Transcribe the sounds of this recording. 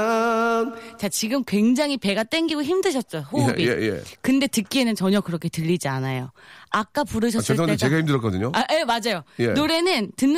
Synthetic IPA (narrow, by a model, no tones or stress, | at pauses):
t͡ɕat͡ɕiɡɯmkwe̞ŋd͡ʑaŋɦipe̞ɡat͈e̞ŋɡiɡoçimdɯɕʰʌt̚t͡ɕ͈oɸoubijḛkɯnde̞tɯk͈ienɯnt͡ɕʌɲʌkɯɾʌkʰe̞tɯʎːid͡ʑianajoak͈̚apuɾɯɕ̬ʰʌɯɭet͡ɕeɡahimdɯɾʌk͈ʌdɯɲoaʔemad͡ʑajojenoɾe̞nɯntɯnː